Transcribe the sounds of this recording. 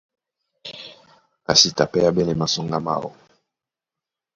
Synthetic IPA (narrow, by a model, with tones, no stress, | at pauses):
ka˨si˨ta˨pɛ˦ja˦bɛ˦nɛ˨ma˨sɔ˦ŋɡa˦ma̰˦˨wɔ̰˨